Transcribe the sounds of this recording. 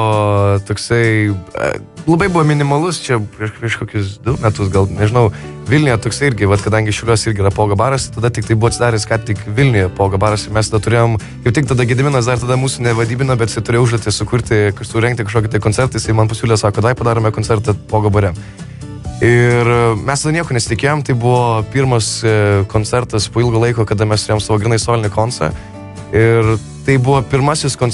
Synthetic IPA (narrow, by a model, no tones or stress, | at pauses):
oːt̪oːksɐɪɐ̰ | lˠɐbɐɪbʊʋoːmʲɪnʲɪmɐlˠʊst͡ʃʲɛpʲɾʲiɛʃpʲiɛʃkoːkʲʊsd̪ʊmʲæt̪ʊsɡɐlˠnʲɛʒʲɪnɐʊʋʲɪlʲnʲɪjɛt̪oːksɐɪɪɾʲɡʲɪʋɐt̪kɐd̪ɐŋʲɡʲɪʃʲɛʊlʲuɔsɪɾʲɡʲɪiːɾɐpoːɡɐbɑːɾɐst̪ɐd̪ɐt̪ʲɪkt̪ɐɪbʊʋɔɐt̪ʲsʲɪd̪ɑːɾʲɛskɑːtt̪ʲɪkʋʲɪlʲnʲʊjɛpoːɡɐbɑːɾɐsɪmʲɛst̪ɐd̪ɐt̪ʊɾʲeːjoːm | kɐɪpt̪ʲɪkt̪ɐd̪ɐɡʲɪd̪ʲɪmʲɪnɐsd̪ɐrt̪ɐd̪ɐmuːsunʲɛʋɐd̪ʲiːbʲɪnɐbʲɛt̪ʲɪsɐɪt̪ʊɾeːjɛʊʊʒd̪oːt̪ʲɪsʊkʊɾʲt̪ʲɪkɐsʊɾʲɛŋk̚t̪ʲɪkɐʃkoːkʲɪt̪ɐɪkonʲt͡sʲɛrt̪ɐjɪsɐɪmɐnpɐsʲuːlʲɪsɑːkoːd̪ɐʋɐɪpɐd̪ɑːɾoːmʲɛkoːnʲt͡sʲɛrt̪ɐpoːɡɐbɐɾʲɛ | ɪrmʲɛst̪ɐd̪ɐnʲiɛkoːnʲɛsʲɪtʲɪkʲeːjoːmt̪ɐɪbʊʋoːpʲiːɾmɐskoːnʲt͡sʲɛɾt̪ɐspoːɪlˠɡoːlˠɐɪkoːkɐd̪ɐmʲɛst̪ʊɾʲejɔmsɑːʋoːɡɾʲɪnɐɪsoːlʲɪnʲɪkoːnsɐ̰ | ɪr | t̪ɐɪbʊʋoːpʲɪɾmɐsʲɪskoːn